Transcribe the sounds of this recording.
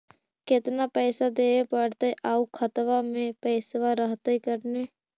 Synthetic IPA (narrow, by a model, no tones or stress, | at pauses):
kɪt̪napɛːsad̪eːepəɽt̪eʔaːukʰət̪ʋamẽpɛːsʋaɾəɦt̪eikəɾneː